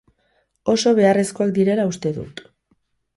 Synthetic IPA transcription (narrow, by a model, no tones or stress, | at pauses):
o̞so̞β̞e̞are̞sko̞ak̚d̪iɾe̞laust̪e̞ðṵt̪